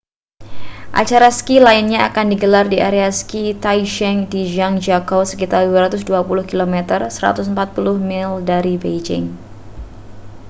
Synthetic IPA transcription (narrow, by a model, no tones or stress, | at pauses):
ʔa̰t͡ʃaɾaskilaɪnɲaakandiɡəlardiaɾeaskit̪ajʃɛŋdiʒaŋd͡ʒakowsə̥kit̪arduaɾat̪ʊsduapulʊhkilomɛt̪ərsəɾa̰t̪ʊsəmpat̪̚pulʊhmɪldaɾibejd͡ʒɪ̰ŋ